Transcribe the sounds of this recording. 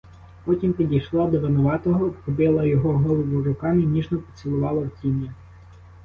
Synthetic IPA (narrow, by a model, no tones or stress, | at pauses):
pɔtʲimpʲidʲijʃlˠɔd̪ɔʋɪnɔʋɑt̪ɔɦɔpɾɔbɪlˠɐjɔɦɔɦɔlˠɔʋʊɾʊkɑmɪnʲiʒnɔpɔ̥t͡s̪ʲilˠʊʋɑlˠɐwtʲinʲjɐ